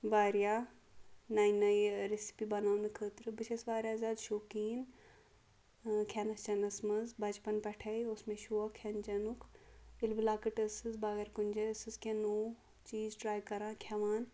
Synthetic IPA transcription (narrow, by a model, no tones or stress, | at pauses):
ʋaːɾjaː | naːjnɐjɾesi̥pibɐnaːwnikʰəːt̪ɾɨbɨʃʰɐsʋaːɾʲjaːzaːd̪ʃoːkiːn | kʲʰɐnɐst͡ʃɐnɐsmɐzbʱɐd͡ʒpɐnpɛʈʰɐjosmẽʃuːɐkʰɐnd͡ʒɐnukʰilbilaːkɐʈɐsɨzbaːɡɐɾkunʲd͡ʒɐsɨzkʰʲɛnoː | t͡ʃiːzʈɾaːjkɐɾãːkʰɐʋaːn